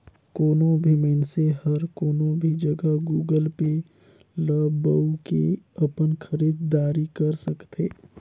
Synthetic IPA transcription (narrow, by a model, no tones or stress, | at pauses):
koːnõbʱimənsehɐɾkoːnõbʱid͡ʒɐɡəɦɡuːɡəlpe | ləbəukeɐpənkʰəɾiːd̪ːaːɾikɐɾsɐkt̪ʰeː